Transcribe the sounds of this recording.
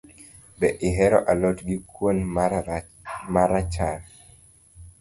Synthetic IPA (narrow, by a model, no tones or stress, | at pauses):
bɛʔɪɦɛɾɔ̰ʔalɔtɡikwon | maɾat͡ʃal